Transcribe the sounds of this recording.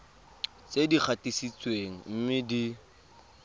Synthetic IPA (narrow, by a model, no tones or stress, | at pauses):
t͡sedik͡xʰatisit͡sweŋ̩m̩mɪdi